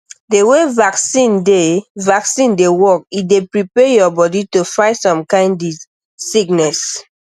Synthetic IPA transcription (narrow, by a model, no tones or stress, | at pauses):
dewevaksĩndevaksĩndewɔk̚idepɹipɛjɔbɔditofãtsɔ̃mkãɪ̃ndi | siknɛs